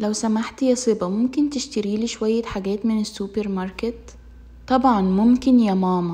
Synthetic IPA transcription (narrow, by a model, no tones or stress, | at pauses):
læwsæmaħt̪jæsˤebɑmʊmkɪnt̪ɪʃt̪æɾiːliːʃwæjːħaɡæːt̪mɪnesːupeɾmɑɾˤket̪ːˤ | ɑbʕɑnmʊmkɪnjɑmɑːmɑ